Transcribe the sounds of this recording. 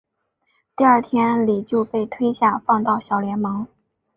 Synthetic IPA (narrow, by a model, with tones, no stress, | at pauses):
t̪i˥˧ɐ˞˥˩t̪ʰjɛ˥nli˨˩t͡ɕjo˥˧ʊpe˥˩ɪt̪ʰwe˥ɪɕja˥˩fɑ˥˧ŋt̪ɑ˥˩ʊɕjɑ˨˩ʊljɛ˧˥nmɑ˧˥ŋ